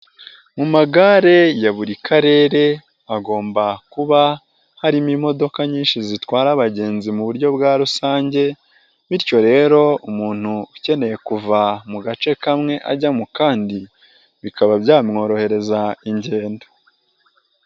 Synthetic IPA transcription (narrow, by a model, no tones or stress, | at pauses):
mumaɡaɾe̞jaβuɾikʰaɾe̞ːɾe̞ | aɡo̞ːmbakuβa | haɾimimo̞do̞kaɲiːnʃizitwaːɾaβaɟe̞ːnzimuβuɾɟo̞bɡaːɾusaːɲɟe̞ | βiɾjo̞ɾe̞ːɾo̞umuːn̥huːce̞ne̞je̞kuvamuɡat͡ʃe̞kamŋe̞ʔa̰ɟamukaːndi | βikaβabjaːmŋo̞ːɾo̞he̞ɾe̞zaiɲɟe̞ːndo̥